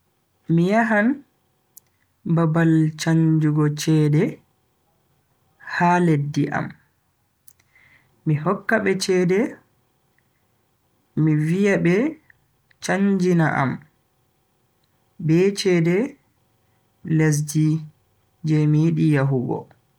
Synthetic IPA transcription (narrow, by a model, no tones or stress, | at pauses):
mijaɦan | babalt͡ʃaɲd͡ʒuɡɔt͡ʃɛdɛ | haledːiʔa̰m | ihɔkːaɓɛt͡ʃɛːdɛ | mivijabɛ | t͡ʃaɲd͡ʒina̰ʔa̰m | bɛt͡ʃɛːdɛ | les̬d͡ʒi | d͡ʒɛmijiɗijaɦuɡɔ̰